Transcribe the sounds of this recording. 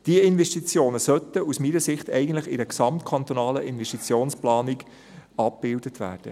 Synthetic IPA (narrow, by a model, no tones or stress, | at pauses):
d̥iəɪnvɛʃtit͡sjoːnəsœt̪əusmiːnəsɪχt̪ɛ̰ɪɡən̩tləχɪdəksɑmt̪kʰɑnt̪onɑːləʔɪnvɛʃtit͡sjoːnsplɑːniɡ | ɑp̚b̥ɪldət̪ʋæ̰ːrd̥ə̰